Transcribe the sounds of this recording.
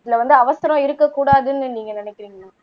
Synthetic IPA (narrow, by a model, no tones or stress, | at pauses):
ɪðɪlɐʋɐnd̪ɯɐʋɐsɐɾɐ̃ɪɾɯkːɐkːuːɽaːðɯnːɯniːŋɡɐnɪnɪkːɪɾiːŋɡɐnaː